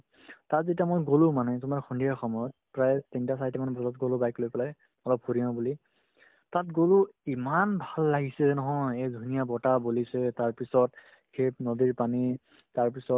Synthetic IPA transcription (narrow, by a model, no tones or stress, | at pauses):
tatzetiamojɡolũmanɛtʊmaɹxundijaxɔmɔjɔt̚pɹajtintasajtɛmanɛbʱɔzɔt̚ɡolʊbajklojpɛlaj | ɔlɔp̚huɹiɔ̃buli | tatɡolʊimanbʱalːaɡisɛnɔɦɔjejdʱunijabɔtabolisɛtaɹpisɔt̚ | kʰep̚nodiɹpani | taɹpisɔt̚